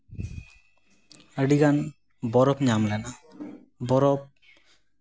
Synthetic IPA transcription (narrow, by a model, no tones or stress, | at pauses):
əɖiɡan | bɔɾɔpɲamlɛna | bɔɾɔp̚